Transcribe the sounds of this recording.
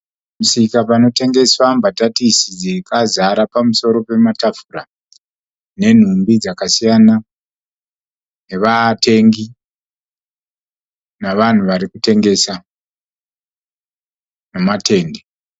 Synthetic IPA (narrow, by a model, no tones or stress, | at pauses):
musikapano̞te̞ŋɡe̞swambatatisid͡zikazaɾapamuso̞ɾo̞pe̞matafura | ne̞n̤umbid͡zakasijana | ne̞ʋate̞ŋɡi | naʋan̤uʋaɾikute̞ŋɡe̞sa | nematʰe̞ːnde